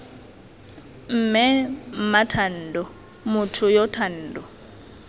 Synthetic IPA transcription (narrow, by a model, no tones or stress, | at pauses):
m̩mɛmatʰan̩ːdɔ | mutʰʊjɔtʰan̩ːdɔ